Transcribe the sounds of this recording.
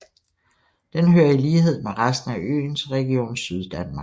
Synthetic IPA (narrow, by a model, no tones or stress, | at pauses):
d̥enɦøːɐiliːɦe̝ð̞̰ˠmeʁasd̥n̩æʔø̰ːnsʁɛɡ̥io̝̰ːnsyð̞ˠd̥ænmɑ̈ɡ̥